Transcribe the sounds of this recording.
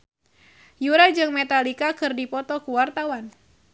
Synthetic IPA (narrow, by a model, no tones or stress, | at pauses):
juɾad͡ʒɨŋmet̪alikakɨrdipɔt̪ɔkuwart̪awan